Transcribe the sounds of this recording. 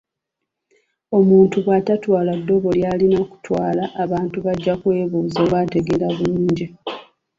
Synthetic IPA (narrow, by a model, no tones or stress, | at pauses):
o̞muːntuβwatatwaːladːo̞βo̞ljaːlinaku̥twaːlaʔːβaːntuβaɟːakwe̞ːβuːzoβwate̞ɡe̞ɾaβuluːɲɟi